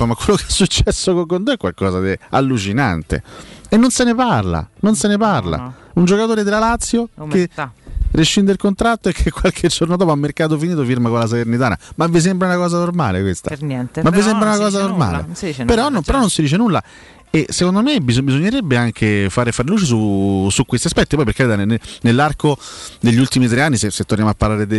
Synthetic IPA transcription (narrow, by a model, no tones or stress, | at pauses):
pamakːwelːokeasːut͡ʃːɛsːokoŋkont̪oɛkːwa̰lkɔːzad̪ia̰lːut͡ʃina̰nt̪ḛenːonseneparla̰nonseneparla̰und͡ʒokat̪oːɾed̪elalat̪sːjokeriʃːind̪eilkont̪ɾat̪ːoɛkʰːekːwalkʰed͡ʒːornod̪ɔːpoamːerkaːt̪̬ofiniːt̪ofiɾmakonlas̬alernit̪aːna̰mavːis̬ɛmbɾaunakɔːzanorma̰ːlḛkwest̪a̰mavːis̬ɛmbɾaunakɔːzanorma̰ːlḛpeɾɔnopeɾɔnːonsid̪iːt͡ʃenulːa̰ | esekond̪omebizbizoɲːeɾebːeaŋkʰefaːɾefaːɾeluːt͡ʃes̬usukwest̪iaspɛt̪ːipɔjpeɾked̪anenenelːarkod̪eʎːiult̪imit̪̬ɾeanːiseset̪ːoɾnjamoapːaɾlaːɾed̪